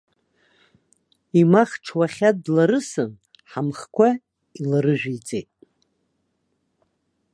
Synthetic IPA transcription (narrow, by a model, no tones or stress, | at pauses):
imaχʈ͡ʂʰwaχʲadlaɾɨsɨn | ħamχkʷa | ilaɾɨʒᶣijt͡sʼejtʼ